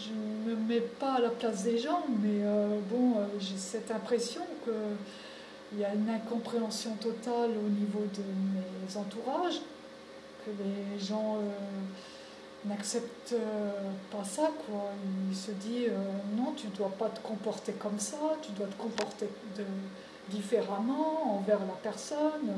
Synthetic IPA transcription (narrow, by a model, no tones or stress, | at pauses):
ʒəməmɛpaːlaplasd̪eʒɑ̃mɛøbɔ̃øʒesɛt̪ɛ̃pχesjɔ̃kə | iljaynɛ̃kɔ̃pχeɑ̃sjɔ̃t̪ɔt̪alonivod̪əmezɑ̃t̪uʁaʒ | kʰəleʒɑ̃ø | naksɛpt̪øpasakwaiilsəd̪iønɔ̃t̪yd̪wapat̪ə̥kɔ̃pɔʁt̪ekɔmsat̪yd̪wat̪ə̥kɔ̃pɔʁt̪ed̪ə | d̪ifeʁamɑ̃ɑ̃vɛʁlapɛʁsɔn